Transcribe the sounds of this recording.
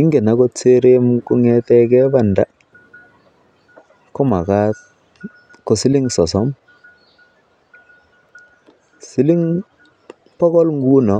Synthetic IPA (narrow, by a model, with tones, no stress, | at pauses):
i˦ŋɡe˨na˨˦ko˦t͡se˦ɾe˦mku˦ŋɛ˦tɛ˦kɛ˦ba˦˨nda˦ | ko˦ma˨ka˦t | ko˨si˦li˦ŋsɔ˨sɔ˨˦m | si˦li˦ŋ | pɔ˦kɔ˦lŋɡu˦nɔ˨˦